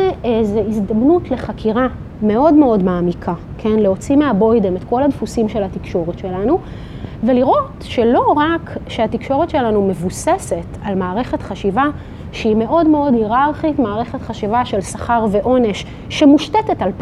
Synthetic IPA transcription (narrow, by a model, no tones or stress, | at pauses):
zeizd̪amnutle̞χakʰiʁa | me̞o̞dme̞o̞dmaːmikʰa | kʰe̞nleo̞t͡simeabo̞jdeme̞tko̞ladfusimʃe̞latikʃo̞ʁetʃe̞lanu | veliʁo̞tʃe̞lo̞ʁakʃeatikʃo̞ʁetʃe̞lanume̞vusese̞talmaːʁe̞χe̞tχaʃiva | ʃime̞ʔo̞dmeo̞dhiʁaʁχitmaːʁe̞χe̞tχaʃivaʃe̞lsaχaʁve̞ʔo̞ne̞ʃː | emuʃtetetalp